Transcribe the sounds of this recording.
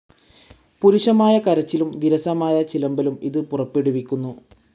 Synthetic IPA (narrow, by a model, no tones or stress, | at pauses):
puɾuʂɐmaːjɐkɐɾɐt͡ɕːilumʋiɾɐsɐmaːjɐt͡ɕilɐmbɐlumḭðɨpurɐpːeɽuʋikʲːunːu